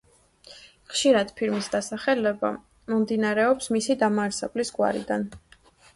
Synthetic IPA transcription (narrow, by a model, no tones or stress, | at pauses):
χʃiɾad̪̥pʰiɾmisd̪asaχɛlɛba̰ | mɔmd̪inaɾɛɔpsmisid̪amaːɾsɛblisɡʼwa̰ɾḭd̪an